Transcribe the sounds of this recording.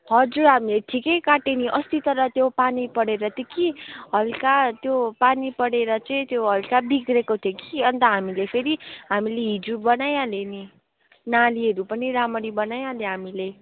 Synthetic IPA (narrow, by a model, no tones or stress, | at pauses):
ɦʌd͡zuɾɦamileʈʰikejkaʈeniʔʌst̪it̪ʌɾʌt̪jopanipʌɽeɾʌt̪jokiɦʌlkat̪jopanipʌɽeɾʌt͡sʌĩt̪joɦʌlkabiɡrekot̪ʰjokiʌnt̪ʌɦamilepʰeɾiɦamileɦid͡zubʌnajaleni | naliɦʌɾupʌniɾamʌɾibʌnajaleɦamile